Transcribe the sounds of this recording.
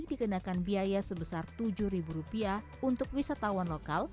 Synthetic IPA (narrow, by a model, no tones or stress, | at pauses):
k̚dikənakanbiajasəbəsart̪ud͡ʒuhɾibuɾupia | unt̪ʊk̚wisat̪awanlokal